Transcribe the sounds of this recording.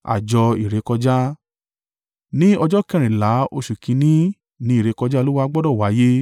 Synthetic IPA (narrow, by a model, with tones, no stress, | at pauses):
a̰˨d͡ʒɔ˧i˨ɾe˨˧˦kɔ˧d͡ʒa˦ | nĩ˦ɔ˧d͡ʒɔ˦kɛ̃˦˧ɾ̃ĩ˨la˨˦o˧ʃu˨kĩ˧nĩ˦ | nĩ˨˦˨ɾe˨˧kɔ˧d͡ʒa˦˧lo˦wa˧˦ɡ͡bɔ˦dɔ˦˨wa˨˦je˦